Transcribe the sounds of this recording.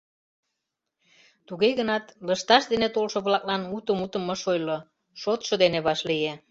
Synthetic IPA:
t̪uɣeɣənɑt̪ləʃt̪ɑʃd̪enet̪olʃŏβlɑklɑnut̪əmut̪əməʃojlo | ʃot̪ʃŏd̪eneβɑʃlije

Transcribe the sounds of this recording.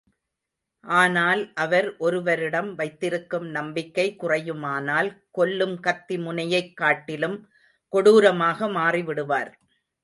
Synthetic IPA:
ʔaːnaːlʔɐʋɐɾʔɔɾɯʋɐɾɪɽɐmʋɐɪt̪ːɪɾɯkːɯmnɐmbɪkːɐɪkːʊrɐjɯmaːnaːlkɔlːɯmkɐt̪ːimʊnɐjɐɪkːaːʈːɪlɯm | kɔɽuːɾɐmaːɣɐmaːriʋɪɽɯʋaːɾ

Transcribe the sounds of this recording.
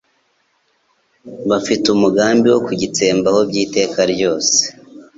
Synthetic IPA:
βafitumuɡaːmbiwo̞kuɟit͡se̞ːmbaho̞bɟiːte̞ːkaɾɟo̞ːse̥

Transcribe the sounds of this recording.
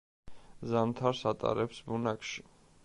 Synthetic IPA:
zamt̪ʰaɾsat̪ʼa̰ɾɛpsbunakʰʼʃi̥

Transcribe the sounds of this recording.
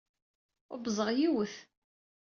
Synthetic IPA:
ʊ̰bzˤəʁjiwəθ

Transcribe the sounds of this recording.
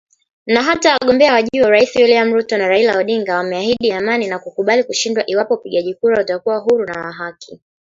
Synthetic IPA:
naɦatawaaɠɔmbɛawaʄuɔɾaisiwiliam̩ɾutɔnaɾailaɔɗiŋɡawamɛahiɗiamaninakukuɓalikuʃindwaʔiwapɔupiɠaʄikuɾautakuwaɦuɾunawaɦakʰi

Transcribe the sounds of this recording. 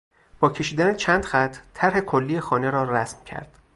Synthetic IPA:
b̥ɒːcʰe̞ʃiːd̪ænet͡ʃʰæːnd̪̥xæt̪ʰːt̪ʰːæɾɦe̞kʰolːiːjexɒːne̞ɾɒːræsmcʰæ̰ɾd̪̥

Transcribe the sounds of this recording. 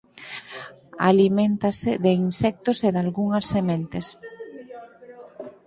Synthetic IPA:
a̰limẽnt̪asɪðeinsɛk̚t̪oseðalɣuŋɐsːemẽnt̪es

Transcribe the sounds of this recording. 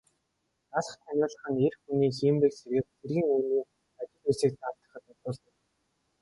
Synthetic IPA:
t͡saɮə̆χt̪ʰæmʲʊːɮə̆χə̆ŋerxuniːxiːmpekseɾɣɘ̆k̚xerɣʲiːŋuːniː | at͡ɕɪ̆t̪uːsiːk̚t͡saːw̥t̪ə̆χə̆t̪ʊʊːɮt̪ə̆k

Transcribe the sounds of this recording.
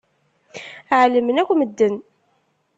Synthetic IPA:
ʕləmənækʷːməd̪ːən

